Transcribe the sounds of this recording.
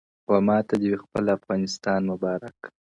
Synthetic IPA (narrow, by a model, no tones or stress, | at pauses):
wamɑt̪ad̪əwexpəlafɣɑnɪst̪ɑnmʊbɑɾak